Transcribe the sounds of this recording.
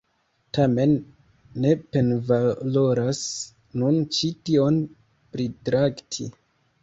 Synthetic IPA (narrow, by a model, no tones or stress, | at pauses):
tame̞nː | e̞pe̞nvalo̞ɾas | nunt͡ʃitio̞n | pɾitɾaktʰḭ